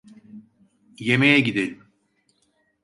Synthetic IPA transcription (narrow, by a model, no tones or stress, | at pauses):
jemejɛɟid̪elʲim